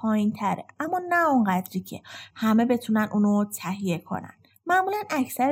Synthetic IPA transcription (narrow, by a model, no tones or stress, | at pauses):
pʰɒːjint̪ʰæɾḛʔæmːɒːnæoɴɢæd̪ɾiːcʰḛhæme̞be̞t̪ʰunænʔuːnot̪ʰæɦije̞kʰo̞̰næ̰n | mæmulænæcʰsæɾ